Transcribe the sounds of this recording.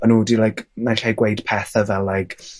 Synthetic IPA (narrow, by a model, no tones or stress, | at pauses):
ənudilajknaɬajɡwejd̥pʰɛθəvɛlˠlːajkʰ